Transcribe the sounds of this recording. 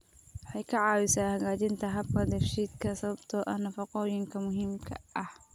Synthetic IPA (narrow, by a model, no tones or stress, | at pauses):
wɑħɑjkʰɐʕɑːwɪsaːhɐɣaːt͡ʃɪnt̪ʰɐɦɐb̚kʰɐd̪ɐrʃiːd̪kʰɐsɐβɐbt̪ʰɔʔɐhnɐfɑqɔːjɪŋkʰɐmʊɦiːmkʰɐ̰ʔɐh